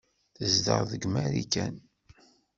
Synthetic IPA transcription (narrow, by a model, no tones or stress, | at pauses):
θəzd̪ə̰ɾˤðəɡmæɾikæn